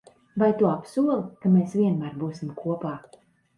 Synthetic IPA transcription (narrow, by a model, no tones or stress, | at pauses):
vajt̪uɔapsuɔlˠkameːsvʲiɛnmaːɾbuːsimkʰuɔpaː